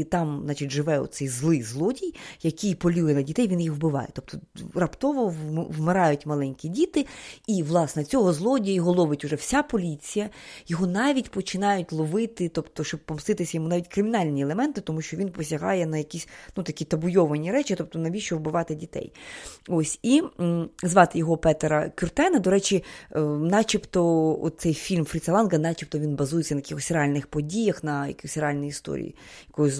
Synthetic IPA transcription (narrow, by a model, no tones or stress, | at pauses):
t̪ɑmzɑt͡ʃitʲʒɪʋɛɔ̰sɛjzlˠɪjzlˠɔdʲijjɐkʲijpɔlʲujɛnɐdʲit̪ɛjʋʲinjixʋwbɪʋɑ̰jɛ̰t̪ɔp̚t̪ɔrɐpt̪ɔʋɔwmɪɾɑjʊtʲmɐlˠɛnʲkʲidʲit̪ɪiʋlˠɑsnɛt͡sʲɔɦɔzlˠɔdʲjɐjɔɦɔlˠɔʋɪtʲʊʐɛwsʲapɔlʲit͡sʲijɐjɔɦɔnɑʋʲitʲpɔt͡ʃɪnɑjʊtʲlˠɔʋɪt̪ɪt̪ɔpt̪ɔʃt͡ʃɔbpɔmst̪ɪt̪ɪsʲɐjɔmunɑʋʲitʲkɾɪmʲɪnɑlʲnʲielˠemɛnt̪ɪt̪ɔmuʃt͡ʃɔʋʲinpɔsʲɐɦɑ̰jɛnɐjɐkʲisʲnut̪ɐkʲit̪ɐbʊjɔʋɐnʲiɾɛt͡ʃɪt̪ɔp̚t̪ɔnɐʋʲiʃt͡ʃɔʋbɪʋɑt̪ɪdʲit̪ɛ̰josʲi | zʋɑt̪ɪjɔɦɔpɛt̪eɾɐkʲʊrt̪ɛnɐd̪ɔɾɛt͡ʃinɑt͡ʃʲipt̪ɔɔ̰t̪̚t̪sɛjfʲilʲmfɾʲit̪sɐlˠɑnɡɐnɑt͡ʃʲip̚t̪ɔʋʲinbɐzujet͡sʲːɐnɐjkixɔsʲreɑlʲnɪxpɔdʲijɐxnɐjɐ̰kʲiɔsʲrealʲnɔjiist̪ɔ̰ɾʲḭjḭjɐkɔjɔ